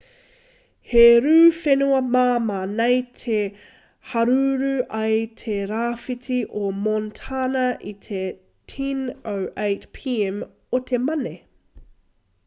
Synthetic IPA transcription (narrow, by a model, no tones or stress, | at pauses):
heɾʉːfenuɐmamanejtʰe | hɐɾʉɾʉʔɐjtʰeɾaːfitiʔomontʰanɐʔit̪ʰe | tʰinowʔejtpʰiɛm | ot̪ʰemɐne